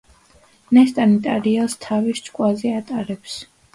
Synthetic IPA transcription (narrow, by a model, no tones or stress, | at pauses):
nɛst̪ʼanit̪ʼaɾialˠst̪ʰavist͡ʃʼkʼwazɛat̪ʼaɾɛps